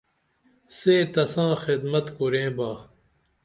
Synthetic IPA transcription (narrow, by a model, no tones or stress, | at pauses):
seːt̪ɐsãːxid̪mɐt̪kuɾẽːbaː